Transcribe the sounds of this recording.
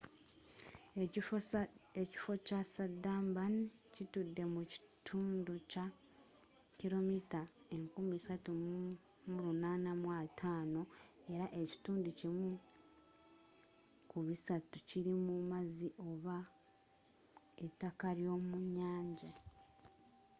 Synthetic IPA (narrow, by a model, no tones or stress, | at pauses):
eci̥fo̞casadaːmbancitudːe̞muci̥tʰuːnduca | ciɾo̞mitae̞ŋkumisatum | muɾunaːnamwatʰaːno̞e̞ɾaʔe̞ci̥tuːnducimu | kuβisatuciɾimumaziʔo̞βa | etːakaɾjo̞ːmuɲaːɲɟa